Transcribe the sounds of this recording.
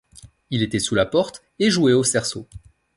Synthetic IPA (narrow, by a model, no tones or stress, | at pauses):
ilet̪ɛsulapɔʁt̪ | eʒuɛosɛʁso